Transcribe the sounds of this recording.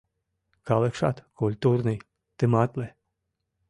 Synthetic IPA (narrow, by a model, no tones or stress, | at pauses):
kalˠekʃa̰t̪kulʲt̪uɾnɨj | t̪ɨmat̪le